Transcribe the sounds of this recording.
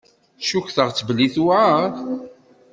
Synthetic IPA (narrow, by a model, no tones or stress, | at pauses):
ʃuçθəʁt͡sːvəlːiθuʕa